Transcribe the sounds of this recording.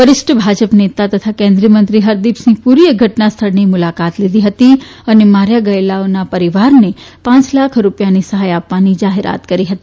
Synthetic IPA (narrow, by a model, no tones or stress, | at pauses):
pəɾɪsʈəbʱad͡ʒəpnet̪at̪ət̪ʰakẽnd̪ɾijəmənt̪ɾiɦəɾd̪ipsĩpuɾijəɡʱəʈnast̪ʰəɭnimʊlakat̪lid̪ʱiɦət̪i | ənemaɾjaɡəelaonapəɾiʋaɾnepãt͡ʃlakʰɾupjanisəɦajapʋanid͡ʒaɦeɾa̰t̪kəɾiɦət̪i